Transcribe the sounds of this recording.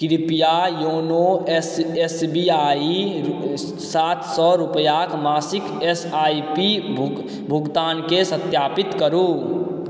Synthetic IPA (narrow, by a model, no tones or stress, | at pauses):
kɾɪpijajoːnoesesbiaːi | saːt̪ʰsɔɾupəjakmaːsɪkesaːipi | bʱʊɡt̪aːnkesət̪jaːpɪt̪kəɾu